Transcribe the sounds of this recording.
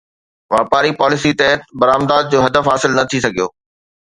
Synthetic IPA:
ʋaːpaːɾipaːlɪsit̪ɛɦt̪̚bɐɾaːmd̪aːd̪̚d͡ʑoːɦɐd̪əfɦaːsɪlnɐt̪ʰisɐɡʱijoː

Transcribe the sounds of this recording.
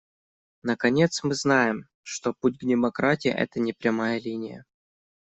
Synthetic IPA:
nəkɐnʲe̞t̪smɨznajɪm | ʂt̪oputʲɡnʲɪmɐkɾatʲɪḭʔɛ̰t̪ənʲɪpɾʲɐmajəlʲinʲɪjə̰

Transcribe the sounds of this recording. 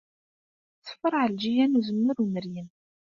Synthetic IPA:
t͡sːə̥fːəɾˤʕəld͡ʒijænuzəmːəɾunəɾjən

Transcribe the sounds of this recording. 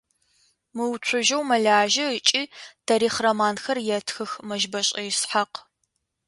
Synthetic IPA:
mɨwt͡ɕʷʰʊʒɐwmɐɮaːʒɐət͡ʃʼiːtʰɐɾiːχrɐmaːnxɐrjɛtʰxɨxmɐʒbɐɕʼɐjɪsħaq

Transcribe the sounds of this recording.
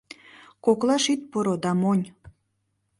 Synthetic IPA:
koklɑʃit̪̚poɾod̪ɑmonʲ

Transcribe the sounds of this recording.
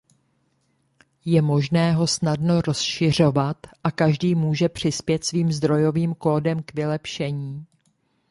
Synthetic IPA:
jɛmo̞ʒnɛːɦo̞snadno̞ɾo̞sʃɪr̝o̞vat̪ʔakaʒdiːmuːʒɛpr̝̥ɪspjɛt̪sviːmzd̪ɾo̞jo̞viːmko̞ːdɛmkvɪlɛpʃɛɲiː

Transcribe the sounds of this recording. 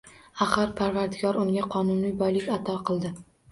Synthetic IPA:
aχɨɾpʰaɾvaɾd̪ɪɡʲɒɾʊŋɡʲaqʰɒnʊnijbɒjlɪkʲat̪ʰɒqʰɨlˠd̪ɪ

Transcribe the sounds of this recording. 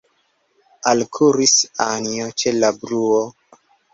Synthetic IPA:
alkʰuɾisaniot͡ʃelabɾuo

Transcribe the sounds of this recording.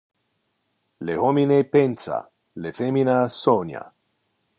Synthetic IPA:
lehominepensa̰ | lefeminasonja̰

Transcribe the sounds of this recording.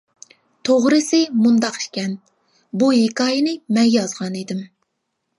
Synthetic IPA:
t̪ʰoʁɾɨsɪmund̪ɑqi̥ʃkʲɛn | buɦikɑːjɪnɪmɛŋɡʲɛjɑzʁɑned̪ɪm

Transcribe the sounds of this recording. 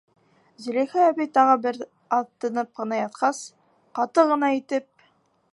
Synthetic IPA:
zɵ̆lixææβijt̪ɑʁɤbɘɾ | ɑt̪ːɤ̆nɤp̚qɤ̆nɑjɑt̪̚qɑs | qɑt̪ɤʁɤ̆nɑit̪ɘp̚

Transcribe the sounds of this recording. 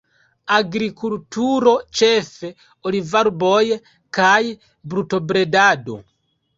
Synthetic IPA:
aɡɾikultuɾɔt͡ʃɛfɛ | ɔlivaɾubɔjɛ | kaji | bɾutɔbɾɛdaːdɔ̰

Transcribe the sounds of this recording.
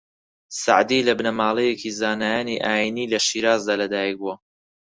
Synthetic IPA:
sa̰ʕd̪ilɐbnɐmaːlˠejekizaːnajaːniʔaːjinilɐʃiːɾaːzd̪aːlɐd̪aːjiɡuo

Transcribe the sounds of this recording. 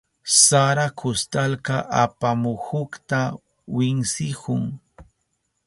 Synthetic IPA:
saɾakʰʊst̪alkaʔapamʊhʊkt̪a | wɪŋsɪhʊŋ

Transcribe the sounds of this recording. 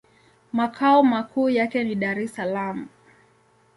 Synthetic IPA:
makʰaɔmakʰuːjakɛniɗaɾɛsalamu

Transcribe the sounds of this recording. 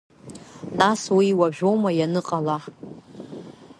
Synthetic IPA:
naswiːwaʒᶣo̞wmajanɨqʼalaħ

